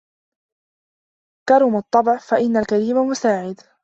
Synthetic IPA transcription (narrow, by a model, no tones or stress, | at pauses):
kɑɾˤʊmɑt̪ˤːɑbɪʕfaʔɪnːalkaɾiːmamʊsaːʕɪd̪